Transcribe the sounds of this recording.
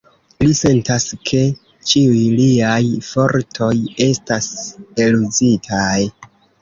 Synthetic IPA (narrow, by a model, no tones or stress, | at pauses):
lise̞ntaskʰe̞ | t͡ʃiujliajfo̞ɾtʰo̞je̞staselud͡zitʰaj